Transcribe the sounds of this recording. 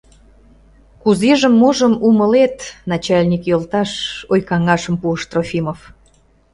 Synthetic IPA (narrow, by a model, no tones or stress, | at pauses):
kuzeʒəmːoʒəmuməlet̪nɑt͡ɕɑlʲnʲikjolt̪ɑʃojkɑŋɑʃəmpuəʃt̪rofʲimof